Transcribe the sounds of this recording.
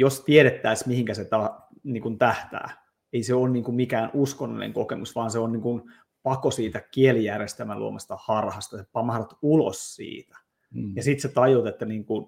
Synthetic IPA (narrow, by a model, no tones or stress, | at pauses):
jost̪ieɾet̪ːæismihiŋkæset̪ɑniːŋkunt̪æht̪æ̰ː | eiseoːnniːŋkummikæːnuskonːo̰lḭnḛŋkokemusʋɑːnseonniːŋkun | pɑkosiːt̪ækielijærest̪æmælṵo̰mɑst̪ɑhɑrhɑst̪ɑsepɑmɑhɑrɑt̪ulo̰ssḭːt̪æ̥ | jɑsit̪set̪ɑjot̪et̪ːæniːŋkun